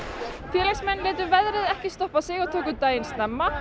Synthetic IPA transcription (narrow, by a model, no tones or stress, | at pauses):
fjɛːɾlɛksmɛnːvɛːt̪̬ʏɾvɛðɾɪðɛhcɪst̪ɔhpasɪɣɔt̪ʰoːkʏt̪aːjɪnst̪nɛmːa